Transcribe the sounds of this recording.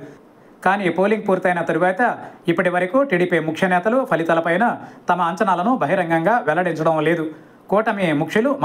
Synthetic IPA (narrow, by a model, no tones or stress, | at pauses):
kaːniːpoːliŋɡ̚puːɾt̪ɐjnɐt̪ɐɾuʋaːt̪ɐipːɐʈiʋɐɾɐkuːʈiːɽiːpimukʰʂɐnɛːt̪ɐlupʰɐlit̪ɐlɐpɐjnɐt̪ɐmɐːɲt͡ʃɐnaːlɐnubʱɐɦiɾɐŋɡɐŋɡaːʋɛlːɐɽiɲt͡ʃɐɽɐmle̞ːd̪u | kɔːʈɐmemukʂilum